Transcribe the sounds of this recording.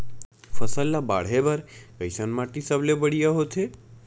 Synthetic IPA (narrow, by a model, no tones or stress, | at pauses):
fʰəsəlːaba̰ɽɦebəɾkəjsənmaʈisəblebəɽijaɦot̪ʰe